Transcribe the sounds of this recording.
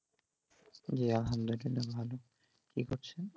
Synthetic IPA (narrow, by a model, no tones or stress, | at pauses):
d͡ʑeaɦand̪odinabʱalo | kikoɾt͡ɕʰen